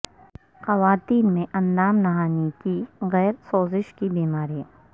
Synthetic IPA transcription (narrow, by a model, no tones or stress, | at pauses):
xɐʋaːt̪iːnmẽʔɐ̃nd̪aːmnɐɦaːnikiɣɛːɾsoːzɪʃkibiːmaːɾiɦɛ̃ː